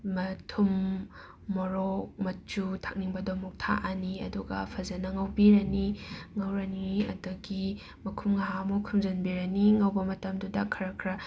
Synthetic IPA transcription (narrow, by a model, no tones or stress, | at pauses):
mɐtʰumː | ɔɾok̚mɐt͡ʃutʰak̚niŋbɐdɔmɐk̚tʰa̰ʔaniɐ̰duɡɐpʰɐzɐnɐŋɐwbiɾɐniŋɐwɾɐniɐ̰dɐɡi | mɐkʰumŋaɦamukʰumzɐnbiɾɐniŋɐwbɐmɐtɐmdudɐkʰɐɾɐkʰɾa